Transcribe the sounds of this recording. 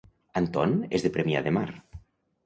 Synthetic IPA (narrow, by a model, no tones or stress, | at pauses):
ant̪ɔnḛzðepɾemja̰ðemaɾ